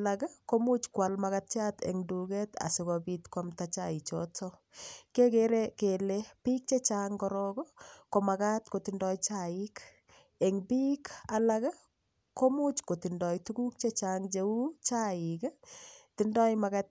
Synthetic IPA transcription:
lakakomut͡ʃkwalmakat̚t͡ʃatḛŋdukɛta̰sikɔpitkwamtat͡ʃa̰it͡ʃɔ̰tʰɔ | kekeɾekelepik̚t͡ʃet͡ʃaŋkɔɾɔkɔkomakatkotindɔjt͡ʃaɪk | eŋbikʰalaka | komut͡ʃkotindɔjtukuk̚t͡ʃet͡ʃaŋd͡ʒeut͡ʃaɪktindɔjmakat̚

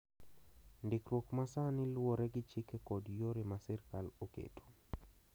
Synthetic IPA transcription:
ndɪkɾwokmasanɪlwoɾɛɡɪt͡ʃɪkɛkɔdjoɾimasɛrkalokḛto̥

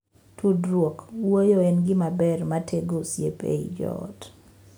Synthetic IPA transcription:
tʰudɾwokwojoɛnɡɪmabɛrmatʰeɡosjḛpḛid͡ʒɔ̰ɔ̰t

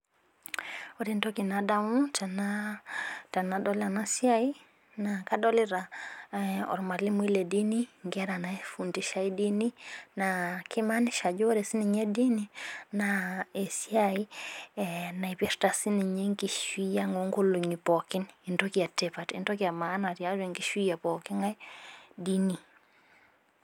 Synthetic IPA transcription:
oɾintɔkinadamutana | tanadɔlanasiai | nakadɔliɾa | ɔ̰ɾmalimuilediniŋɡɛɾanafuntiʃaidininakʰimaniʃad͡ʒoɾɛsiniɲɛdininaesjai | naipɛɾtasiniɲeŋkiʃwijaŋoŋɡoluɲipɔkinintokiatepatḭntɔkiamanaɾjaɾeŋɡiʃwijapɔkiŋajdini

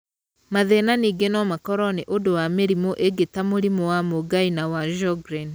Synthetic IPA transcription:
maðenaniɡenɔmakɔɾɔneʔodowameɾimoʔeɡetamoɾimɔwamoɡainawaʒɔɡɾɛn

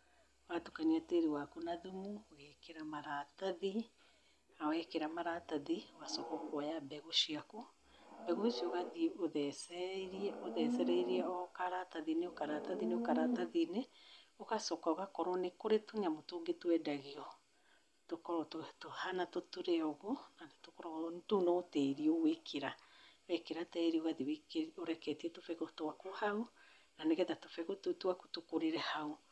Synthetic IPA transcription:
ɣatokaniateɾewakonaðumuoɣɛkeɾamaɾataði | awɛkeɾamaɾataðioɣasɔkɔkwɔjabɛɣoʃiako | bɛɣoʃioɣaðioðɛsɛɾɛoðɛsɛɾɛiɾiɛɔkaɾataðineokaɾataðineokaɾataðineokasɔkaoɣakɔɾɔnekoɾetoɲamotoɡetwɛdaɣiɔ | tokɔɾɔtotohanatotuɾɛɔɣonatokɔɾɔtonoteɾiowekʰeɾawɛkeɾatɛeɾioɣaðiwekoɾɛkɛtiɛtofɛɣotowakohau | naneɣɛðato̥fɛɣototuako̥tokoɾeɾɛhau

